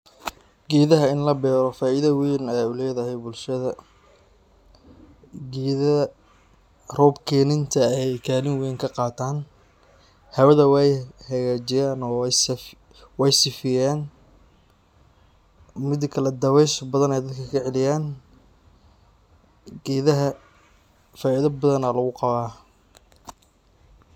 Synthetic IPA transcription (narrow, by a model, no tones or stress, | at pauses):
ɡiːðɐɦɐɪnlɐbɛːɾɔfaːiðɐwiːnɐjaːulɛːðɐɦɛjbʊlʃɐðɐ | ɡiːðɐ | rɔːbkʰɛːnɪnt̪ʰɐɛjkʰaːlɪŋwɛːŋkʰɐqɑːt̪ʰaːn | hɐwɐðɐwɛjhɐɣaːt͡ʃɪjaːnɔːs | wɛjsɪfɪjaːn | mɪd̪kʰɐlɛd̪ɐwɛːʃbɐðɐnɛjd̪ɐd̪̚kʰɐkʰɐʕɛlɪjaːn | ɡɛːðɐɦɐ | faːɪðɐbɐðɐnalɐɣʊqɑβaː